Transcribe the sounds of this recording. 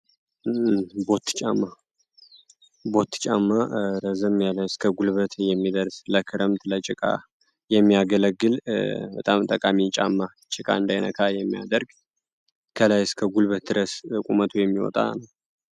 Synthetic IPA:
bo̞t̪ʰːɨ̥t͡ʃʼamːa | bo̞t̪ːt͡ʃʼamːaɾəzəmjaləskʰəɡulβət̪jɛmːid̪əɾsləkʰɨɾəmt̪lət͡ʃʼɪkʼa̰ | jɛmːiaɡələɡːɨlbət̪ʼamt̪ʼəkʼamit͡ʃʼa̰mːa | t͡ʃʼɪkʼa̰ɨnd̪ajnə̰kʰajɛmːija̰d̪əɾɡ | kʰəlajɪskʰəɡulβət̪̚d̪ɨɾəskʼumət̪ʰujɛmːiwɔ̰t̪ʼa̰nəw

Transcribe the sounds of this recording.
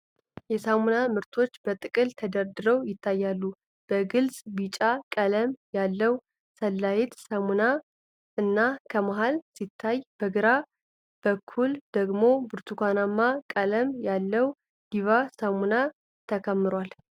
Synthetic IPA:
jɛsamunamɨɾt̪ʰo̞t͡ʃːb̥ət̪ʼɨkʼɨlt̪ʰəd̪əɾd̪ɨɾəwjɪt̪ʰːajːalːu | b̥əɡɨlsʼbit͡ʃʼakʼələmjalːəw | səlːajet̪samuna | ɨnːakʰəmaɦalsit̪ʰːajb̥əɡɨɾa | b̥əkʰːuld̪əɡmo̞bɨɾt̪ʰukʰʷanamːakʼələmjalːəw | ɡ̥iβasamuna | t̪ʰəkʰəmːɨɾwal

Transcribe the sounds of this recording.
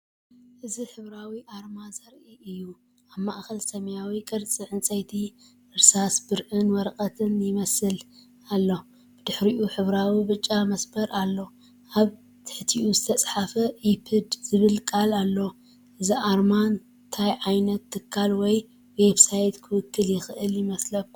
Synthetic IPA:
ʔɨziħɨβɾawiʔaɾmazɐɾʔiʔɨjːu | ʔaβmaʔxɐlsɐmjawikʼɨɾt͡sʼɨʕɨnt͡sʼɐjt̪ʰi | ʔɨɾsasbɨɾʔɨnwɔɾqʼɐt̪ʰɨnjɪmɐsɨl | alːo̞ | b̥ɨd̪ɨħɾiʔuħɨβɾawibɨt͡ʃʼːamɐsbɐɾʔalːo̞ | ʔaβ | t̪ʰɨ̥ħt̪ʰiʔuzɨt̪ʰɐt͡sʼħafɐʔipʰɨd̪z̥ɨβɨlkʼalalːo | ʔɨziʔaɾman | t̪ʰajʕajnɐt̪ʰːɨkʰːalwɔj | we̞βsajt̪kʰɨwɨkʰːɨljɪxɨʔɨljɪmɐslɐf

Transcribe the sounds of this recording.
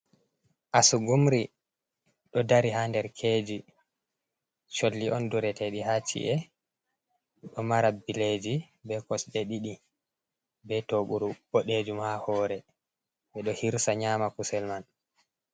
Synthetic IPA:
ʔasuɡumɾi | ɗɔdaɾihandɛɾkʰeːd͡ʒi | t͡ʃolːiʔɔnduɾɛteɗihat͡ʃḭʔɛ | ɗɔmaɾabiled͡ʒi | bɛkɔsɓɛɗiɗi | bɛtoɓuɾubɔɗed͡ʒumhahɔːɾɛ | bɛɗɔhiɾsaɲaːmakusɛlman

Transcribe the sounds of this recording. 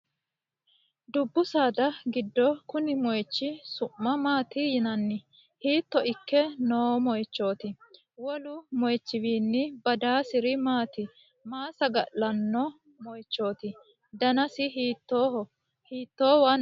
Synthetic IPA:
d̪ʊbːʊsaːd̪ɐɡɪd̪ːɔkʊnɪmɔjt͡ʃːɪsʊmːɐmaːt̪ɪjɪnɐnːɪ | hiːt̪ːɔʔɪkːɛnoːmɔjt͡ʃːo̞ːt̪ɪ | wɔlʊmɔjt͡ʃːɪwiːnːɪbɐd̪aːsɪɾɪmaːt̪ɪ | maːsɐɡɐʔːɐnːɔ | mɔjt͡ʃːo̞ːt̪ɪ | d̪ɐnɐsɪɦiːt̪ːo | hiːt̪ːoːwɐn

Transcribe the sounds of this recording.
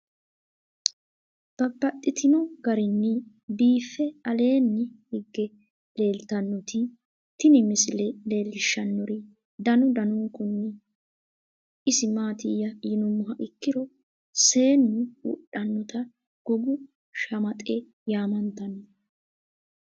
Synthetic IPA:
b̥ɐbːɐt̪ʼːɪt̪ʰɪnɔɡɐɾɪnːɪ | biːfːɛɐle̞ːnːɛhɪɡːɛ | le̞ːlt̪ɐnːɔt̪ɪ | t̪ɪnɪmɪsɪlɛle̞ːlːɪʃːɐnːɔɾɪ | d̪ɐnʊd̪ɐnʊŋkʊnːɪ | ɪsɪmaːt̪ɪjːɐjɪnʊmːʊɦɐʔɪkːɪɾɔ | se̞ːnːɪwʊ̰ɗɐnːɔt̪ɐ | ɡ̥ɔɡʊ | ʃɐmɐt̪ʼe | jaːmɐnt̪ɐnɔ

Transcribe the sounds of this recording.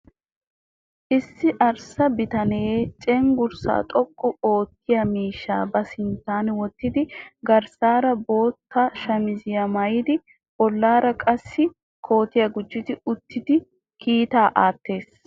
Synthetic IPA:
ʔɪsːɪʔɐɾsɐbɪt̪ɐneːt͡ʃʼɛŋɡʊɾsa̰ːt̪ʼɔkʼːʊo̞ːt̪ːɪjɐmiːʃːa̰ːbɐsɪnt̪ːaːnwɔt̪ːɪd̪ɪɡɐɾsaːɾɐbo̞ːt̪ːɐʃɐmɪzɪjɐmɐjɪd̪ɪ | b̥ɔlːaːɾɐkʼɐsːɪ | kʰo̞ːt̪ɪjɐɡʊd͡ʒːɪt̪ɪʊt̪ːɪd̪ɪ | kʰiːt̪aːʔaːt̪ːe̞ːs

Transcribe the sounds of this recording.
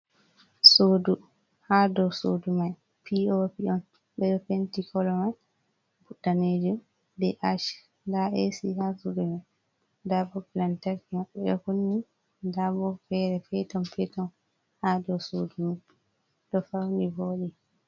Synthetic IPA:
sodu | hadɔsodumaj | pʰiopiɔn | ɓɛɗɔpentikɔlɔmaj | buɗːaned͡ʒum | dɛʔat͡ʃ | daʔɛsihasudɛma | dabɔplantaɾkimaɓːɛ̰ɗɔ̰kunːi | dabɔfɛɾɛfɛtɔmpɛtɔn | hadɔwsodumaj | ɗɔfawniboːɗi

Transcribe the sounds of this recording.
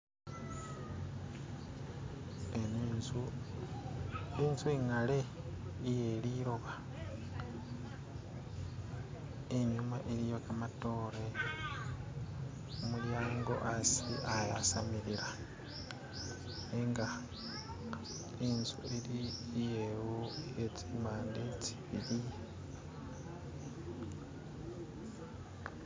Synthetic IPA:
enzu | iːnzueŋale̞ | ije̞liɾo̞βa | eɲumaʔeɾijokamato̞ːɾe̞ | omuljaːŋɡo̞̰ʔasiʔajasamiɾiɾa | eŋɡa | inzueɾijewoecimaːnde̞ci̥βiɾi

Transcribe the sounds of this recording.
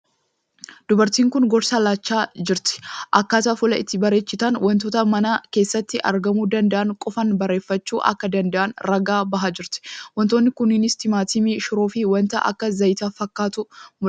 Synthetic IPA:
d̪̥ʊbɐɾt̪iːŋkʊnɡɔɾsalaːt͡ʃːaːd͡ʒɪɾt̪ɪ̥ʔɐkːaːt̪ɐfʊlɐɪ̰t̪ːɪbɐɾeːt͡ʃːɪt̪ɐnwɐnt̪oːt̪ɐmɐnake̞ːsːɐt̪ːɪʔɐ̰ɾɡɐmuːd̪ɐnd̪ɐʔɐŋkʼɔfɐnbɐre̞ːfːɐt͡ʃːuːʔɐ̰kːɐd̪ɐnd̪ɐʔɐnɾɐɡaːbɐɦad͡ʒɪɾt̪ɪ̥wɐnt̪o̞ːnːɪkʊnɪnɪst̪ɪmaːt̪iːmiʃʊɾoːfɪwɐnt̪ɐʔɐ̰kːɐzɐjɪt̪afɐkːaːt̪ʊmʊ

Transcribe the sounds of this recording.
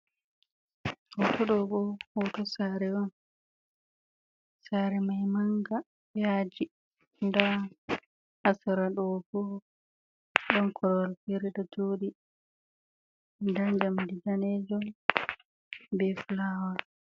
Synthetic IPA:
hɔtɔɗɔɡɔhɔtɔsaɾɛwɔn | saɾɛmajmaŋɡa | jaːd͡ʒi | nda | hasaɾaɗɔɡɔ | ɗɔnkʰɔɾwalfiɾɛɗɔtoːɗi | ndad͡ʒamdidanɛd͡ʒɔ | bɛflawa

